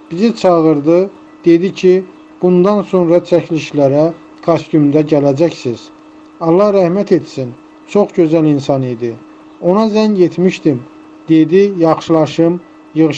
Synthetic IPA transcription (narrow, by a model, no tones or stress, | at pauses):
b̥izit͡ʃʰɑʁɯɾd̪ɯ | d̪̥e̞d̪icʰi | b̥und̪ɑnso̞nɾɑt͡ʃʰæcʰliʃlæɾæ | kʰost̪ymd̪æɟælæd͡ʒæcsiz̥ | ɑlˠːɑhɾæhmæt̪ʰe̞t̪sin | t͡ʃʰo̞χɟø̞zælinsɑnid̪i | o̞nɑzæɲje̞t̪ʰmiʃt̪im | d̪̥ed̪ijɑχʃɯlˠɑʃɯm | jɯɣʃ